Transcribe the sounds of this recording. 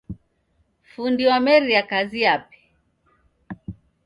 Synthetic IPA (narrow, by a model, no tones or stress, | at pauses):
fundiwamɛɾiakaziapɛ̥